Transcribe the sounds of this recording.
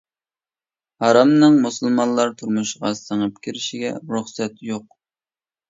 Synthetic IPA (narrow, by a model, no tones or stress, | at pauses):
hɑɾɑmnɨŋmusɨlˠmɑnlːˠɑɾt̪ʰuɾmuʃʁɑsəŋəp̚kʲʰiɾɪʃiɡʲɛ̰ɾuχsɛt̪joq̚